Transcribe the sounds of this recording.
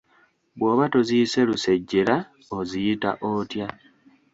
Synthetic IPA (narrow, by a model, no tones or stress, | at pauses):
βwo̞ːβato̞ziise̞luseɟːeɾa | ozijita̰ʔotja